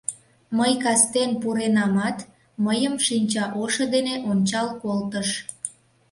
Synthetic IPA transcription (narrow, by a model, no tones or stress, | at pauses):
məjkɑst̪enpuɾenɑmɑt̪ | məjəmʃinʲt͡ɕɑʔoʃəd̪eneʔonʲt͡ɕɑlkolt̪əʃ